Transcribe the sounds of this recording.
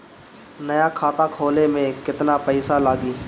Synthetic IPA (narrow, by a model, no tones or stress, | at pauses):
nɐjakʰaːt̪akʰoːlemẽkɪt̪napɛɪsalaːɡiː